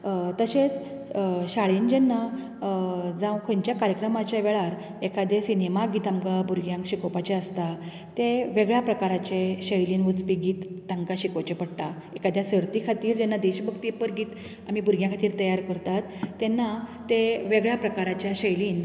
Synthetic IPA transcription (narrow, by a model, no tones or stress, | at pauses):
t̪əɕet͡s | ɕaɭind͡ʑenːa | d͡zãwkʰoɲt͡ɕjakaɾjəkɾəmat͡ɕaʋeɭaɾ | ekad̪esinemaɡiːt̪amkabuɾɡjãŋkɕikopat͡ɕeəst̪a | t̪eʋeɡɭjapɾəkaɾat͡ɕeɕəjliːnʋut͡spiːɡiːt̪ːãŋkaɕikot͡ɕepəɽʈ̪a | ekad̪ʱjasəɾt̪ikʰat̪iːɾd͡ʑɛnːad̪eɕbəɡt̪ipəɾɡiːt̪ | amibʱuɾɡjãkʰat̪iːɾt̪əjaɾkəɾt̪at̪ːenːat̪eʋeɡɭjapɾəkaɾat͡ɕjaɕəjliːn